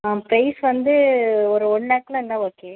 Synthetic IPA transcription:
ãpɾɐɪsʋɐnd̪ɯɔɾɯɔɳːaːkːlɐ̃ɪnːãoːkːeː

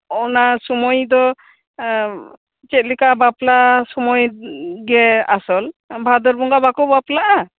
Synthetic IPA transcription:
ɔnasɔmɔjd̪ɔ | t͡ʃɛt̪̚likabaplasɔmɔjɡɛasɔlbʱad̪ɔɾbɔŋɡabakɔbaplaʔa

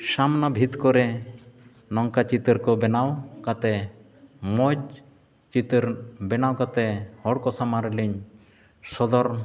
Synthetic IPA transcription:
samnabʱit̪kɔɾɛ | nɔŋkat͡ʃit̪ɾkɔbɛnawkat̪ɛ | mɔd͡ʒ | t͡ʃit̪ɾbɛnawkat̪ɛhɔɽkɔsamaɾɛliɲ | sɔd̪ɔɾ

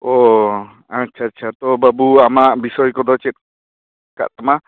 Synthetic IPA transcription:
ɔ | atːt͡ʃʰaːtːt͡ʃʰat̪ɔbabuamaʔbisɔjkɔd̪ɔt͡ʃɛt̪̚ | ka̰ʔt̪ama

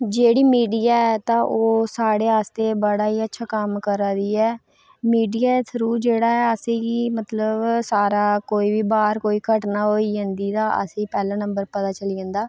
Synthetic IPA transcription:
d͡ʒeːɽiːmiːɖijaːɛːt̪ãːʔoːsaːɽeːɦaːst̪eːbəɽaːɦiːətːʃʰaːkəmkəɾaːd̪iːɛː | miːɖijaːsʰəɾuːd͡ʒeːɽaːɛːəsẽmət̪ləbsaːɾaːkoːiːʋiːbaːɾkoːiːkʰəʈnaːɦoːiːd͡ʒãːnd̪iːt̪ãːʔə̰sĩːpɛːlãːnəmbəɾpət̪aːt͡ʃəliːãːnd̪aː

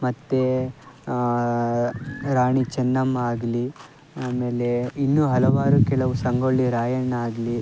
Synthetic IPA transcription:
mɐt̪ːe | ɾaːɳit͡ʃɛnːɐmaːɡli | aːme̞ːleinːuːɦɐlɐʋaːɾukɛɭɐʋusɐŋɡoɭːiɾaːjɐɳːaːɡli

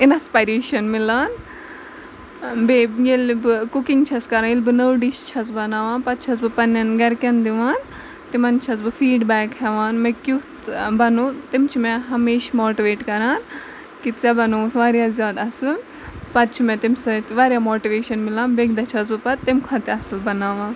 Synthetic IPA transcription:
inɐspaːjɾeːʃɐnmilaːn | bejelbɨkukiŋɡt͡ʃʰɐskɐɾajelʲbɨnəwɖiʃt͡ʃʰɐt͡sbɐnaːʋaːnpɐt̪̚t͡ʃʰɐt͡sbɨpɐnːɐnɡɐɾkʲɐnd̪iʋaːn | t̪imɐnt͡ʃʰɐt͡sbɨfiːɖbɛːkɦɛʋaːnmekʲjut̪bɐnut̪imt͡ʃʰimẽɦɐmeːʃmoːʈiʋeːʈkɐɾaːn | kit̪t͡sɐbɐnuːt̪ʰʋaːɾjaːzʲjaːd̪ɐsɨl | pɐt̪̚t͡ʃʰimẽt̪imsɐt̪ʋaːɾjamoːʈiʋeːʃɐnmilaːnbeɡd̪ɐt͡ʃʰɐt͡sbɨpɐt̪t̪ːimkʰɐt̪iɐsɨlbɐnaːʋãː

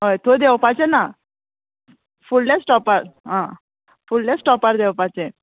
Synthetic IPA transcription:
ɦojt̪ʰod̪ewpat͡ɕena | fullesʈɔpaɾɦã | fullesʈɔpaɾd̪ewpat͡ɕe

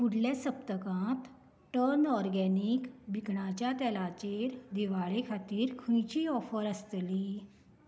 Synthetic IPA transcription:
puɽljasəpt̪əkãt̪ | ʈəɾnɔɾɡænikbʱikɳat͡ɕjat̪ɛlat͡ɕeɾd̪iʋaɭekʰat̪iːɾkʰũjt͡ɕiːɔfəɾəst̪liː

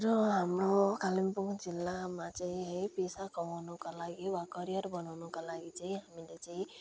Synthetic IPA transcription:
ɾʌɦamɾokalimpuŋd͡zilːamat͡saĩɦeipesakʌmawnɔkalaɡiwakʌɾijʌɾbʌnawnɔkalaɡit͡saĩɦamilet͡saĩ

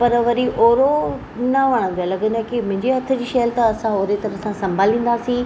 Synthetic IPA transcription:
pɐɾʋɐɾiʔoːɾo | nɐʋɐɽ̃ə̃nd̪ijalɐɠə̃nd̪akimʊ̃ɦɪ̃ɲd͡ʑeɦɐt̪ʰə̆d͡ʑiːʃɐjəlt̪ɐɐsãoːɾet̪ɐɾəsãsɐ̃mbʱaːlĩːn̆d̪asĩ

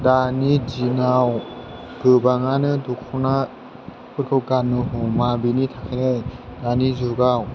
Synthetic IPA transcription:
danid͡ʒinaw | ɡ̥ɯbaŋanɯdɔkʰɔna | kʰɯtʰɔɡanɯɦumabinitʰakʰanajdanizuɡaw

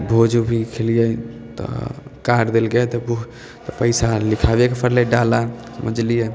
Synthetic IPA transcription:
bʱod͡ʒubʱikʰelijət̪ɔ̰kaɾd̪elɡet̪ɔbu | t̪ɔpəjsalikʰabekepʰəɾleɖalasəməd͡ʒlije

